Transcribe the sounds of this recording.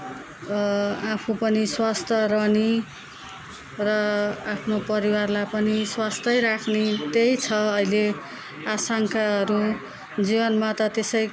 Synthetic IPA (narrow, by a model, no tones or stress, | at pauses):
apʰupʌniswast̪ʰʌrʌni | rʌapʰnopʌɾiwarlajpʌniswast̪ʌjɾakʰnet̪ejt͡sʰʌʌile | asaŋkaɦʌɾu | d͡zibʌnmat̪ʌt̪esʌj